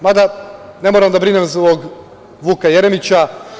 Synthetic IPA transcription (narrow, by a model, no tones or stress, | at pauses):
mad̪ane̞moɾamd̪abɾinemzoɡ | ʋuːkaje̞ɾemit͡ɕa